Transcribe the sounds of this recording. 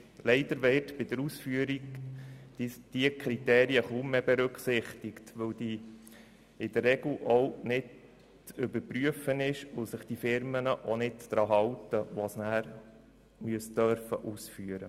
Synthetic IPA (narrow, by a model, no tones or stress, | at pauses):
lɛɪd̥̪əɾʋɛːtbɪd̥̪əɾusfyːəɾiɡ | d̥iəkʰɾit̪eːɾiəχumːebɛɾɵkχsɪχt̪ɪktʋɵwd̥i | ɪd̥̪ərːɛɡl̩ʔɔwnɪd | t͡sʏbəɾpryəfənɪʃʊsɪχd̥ifɪɾmənəʔonɪtd̥ɾɑːɦɑwtəʋɑsnæːɾ | myəstd̥œɾfə̰ʔusfyəɾə̰